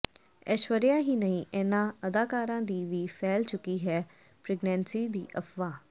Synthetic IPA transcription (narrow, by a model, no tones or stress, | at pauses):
ɛʃʋəɾjãːɦiːnəĩːʔenãːəd̪aːkaːɾãːd̪iːʋiːpʰɛːlt͡ʃʊkiːɦɛː | pɾɪːɡnɛ̃ːnsiːd̪iːʔəpʋaː